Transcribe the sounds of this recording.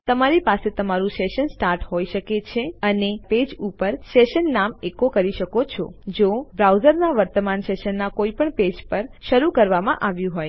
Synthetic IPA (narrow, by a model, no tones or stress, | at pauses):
t̪əmaɾipaset̪əmaɾũseʃənsʈaɾʈɦojʃəket͡ʃʰeəneped͡ʒupəɾseʃənːamekokəɾiʃəkot͡ʃʰɔ̰d͡ʒobɾauzəɾnaʋəɾt̪əmanseʃənːakoipəɳped͡ʒpəɾʃəɾukəɾʋamã̰ʔaʋjũɦoj